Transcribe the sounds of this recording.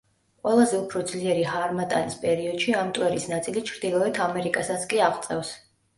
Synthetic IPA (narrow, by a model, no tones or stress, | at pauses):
qʼwɛlˠazɛupʰɾɔd̪zliɛɾiɦaɾmat̪ʼa̰nispʼɛɾiɔd̪̥ʃiamt̪ʼwɛɾisnat̪sʼilit͡ʃʰɾd̪̥ilˠɔɛt̪ʰamɛɾikʼasat̪sʰkʼiaʁt̪sʼɛfs